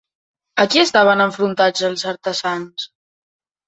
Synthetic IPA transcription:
əkiəst̪aβ̞ənəɱfɾunt̪ad͡zəlˠzəɾt̪əzans

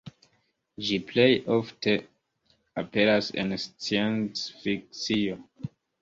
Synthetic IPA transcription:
d͡ʒiple̞jofte̞ | ape̞ɾasḛnst͡sient͡sfik̚t͡sio

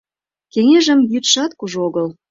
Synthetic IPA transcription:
keŋeʒə̆mjyt̪ʃɑt̪kuʒoɣəl

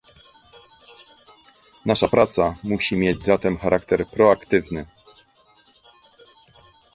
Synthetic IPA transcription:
naʂapɾʔat̪samuɕimʲjed͡ʑzat̪ɛmxaɾʔak̚t̪ɛɾpɾɔakt̪ɘvnɘ

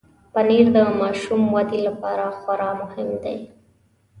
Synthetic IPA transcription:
pəniɾd̪əmɑʃumwad̪ilapɑɾaxwaɾɑmʊhɪmd̪ḛj

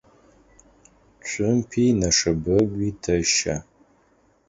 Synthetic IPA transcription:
t͡ʃʷʼʊmpʰiːnɐʂɐbɐɡʷiːtʰɐʃa̰

